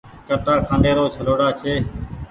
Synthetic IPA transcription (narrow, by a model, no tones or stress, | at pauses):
kəʈaːkʰãːɳɖeːɾoːt͡ʃʰəloːɽaːt͡ʃʰeː